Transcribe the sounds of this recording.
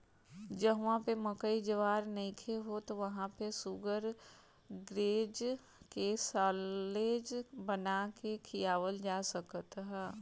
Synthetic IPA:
d͡ʒəɦʋãpemɐkəid͡ʒəʋaːɾnikʰeɦot̪oʋɐɦãpesuɡəɾ | ɡɾeːd͡ʒ | kesaːleːd͡ʒbɐnakekʰijaːʋəld͡ʒaːsɐkt̪ɦɛː

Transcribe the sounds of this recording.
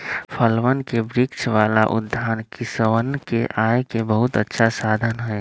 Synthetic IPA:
pʰəlʋənkebɾɪkt͡ʃʰʋaːla̰ʔʊ̰d̪ʱːaːnkisəʋənkeʔaːjkebəɦʊt̪ətːʃʰasaːd̪ʱənɦɛː

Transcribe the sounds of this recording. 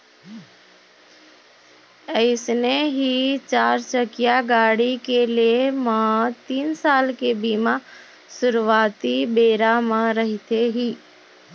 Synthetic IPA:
əɪsneɦit͡ʃaːɾt͡ʃəkijaɡaːɽikelemãt̪iːnsaːlkebima | sʊɾʋaːt̪ibeːɾamãɾəɦit̪eɦiː

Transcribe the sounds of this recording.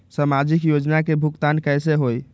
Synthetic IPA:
samad͡ʒikjod͡ʒnakebʱukt̪ankɛjseɦoj

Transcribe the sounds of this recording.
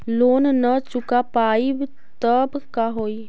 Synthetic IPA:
loːnnət͡ʃʊkapaːib | t̪əbkaɦoːi

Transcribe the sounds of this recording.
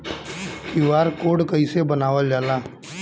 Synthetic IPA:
kiʋaːɾkoːɽkəisebənaːʋəld͡ʒaːlaː

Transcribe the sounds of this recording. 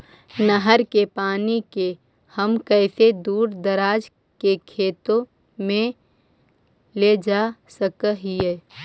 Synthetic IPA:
nəɦəɾkepaːnike | həmkəːsed̪uːɾd̪əɾaːd͡ʒ | kekʰeːt̪õ | mẽ | led͡ʒasəkəɦiɛ

